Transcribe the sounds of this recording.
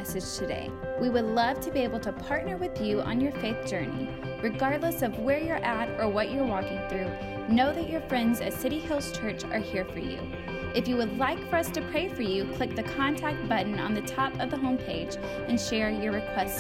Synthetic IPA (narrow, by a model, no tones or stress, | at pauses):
ɛsɨd̥ʒ̥tʰɨdḛɪ | wiwədˡlʌv̥tʰɨbieɪbl̩ˠtʰəpʰɑɹtⁿnə˞wɨðjʉʔə̰̃njə˞feɪθd̥ʒ̥ɜ˞nḭ | ɹɨɡɑɹdˡləsʌvwə˞jə˞ʔæɾə˞wʌt͡ʃə˞wɔkɪ̃ŋθɹʉ | noʊðɨt͡ʃə˞fɹɛ̃ndzɨ̰sɪɾihɪlˠz̥t͡ʃʰɜ˞t͡ʃə̰˞hiɹfə̰˞jʉ̰ | ʔɨfjɨwədˡlaɪkfə˞ʌstʰɨpʰɹ̥eɪfə˞jʉkʰl̥ɪk̚ðɨkʰɑ̃ntʰæk̚t̚b̥ʌʔn̩ə̰̃nðɨtʰɑpʌvðəɦõʊ̃mpʰeɪd͡ʒ | ɨ̃nʃɛɹjə˞ɹɨkʰw̥ɛst